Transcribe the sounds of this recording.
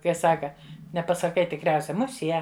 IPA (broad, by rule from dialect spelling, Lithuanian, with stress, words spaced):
kɐɪ ˈsɑːkɐ nʲɛpɐsɐˈkɐɪ tʲɪkˈrʲɛʊsʲɛ ˈmʊˈsʲiɛ